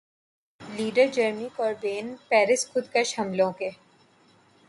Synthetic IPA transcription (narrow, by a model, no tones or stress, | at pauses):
liːɖəɾd͡ʒəɾmikɔːɾbeːnpɛːɾɪskʰʊd̪keʃɐmlõke